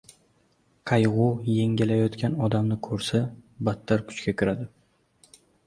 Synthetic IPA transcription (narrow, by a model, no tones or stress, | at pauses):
qʰɑjʁʊjeŋɡʲɪlajɒt̪kʲanɒd̪amnɪkʰɵɾsabat̪ʰːaɾkʰʊ̥t͡ʃkʲakʲʰɪɾad̪ɪ